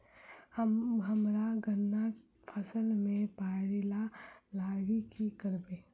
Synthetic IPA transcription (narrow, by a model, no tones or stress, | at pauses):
həɦəmɾaɡənːa | pʰəsəlmẽpaːɽilalaːɡikikəɾbeː